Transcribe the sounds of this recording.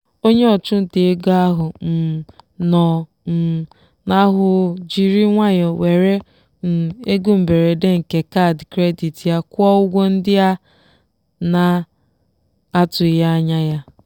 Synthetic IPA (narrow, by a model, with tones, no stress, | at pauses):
o˦ɲe˦ɔ˨t͡ʃʊ˦n̩˦te˨e˦ɡa˦ɦʊ˨n̩˨nɔ˨ | na˦ɦʊ˨d͡ʒi˨ɾi˦ŋʷa˦ɲɔ˨we˨ɾe˦ | n̩˨e˦ɡu˦m̩˨be˨ɾe˨de˦ŋ̩˨ke˨ka˦˨dkɾe˦di˨tja˦kʷɔ˦ʊ˦ɡʷo˦n̩˦dɪ˦a˦ | na˨ | a˦tʊ˨˦ja˦a˦ɲa˦ja˦